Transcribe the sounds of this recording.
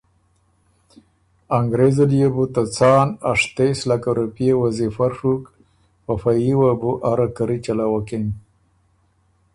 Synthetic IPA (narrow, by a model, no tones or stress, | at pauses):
aŋɡɾezalijebut̪at͡sɑːnaʂt̪eslakaɾupijewazifaɾʂuk | pafajiwabuʔaɾakaɾit͡ʃalawaken